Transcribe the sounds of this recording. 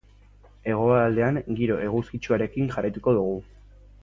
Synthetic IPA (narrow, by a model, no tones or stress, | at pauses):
e̞ɣ̞o̞aːld̪e̞aŋɡiɾo̞ʔe̞ɣ̞uskit͡ʃuaɾe̞kiŋʝarajt̪uko̞ðuɣ̞u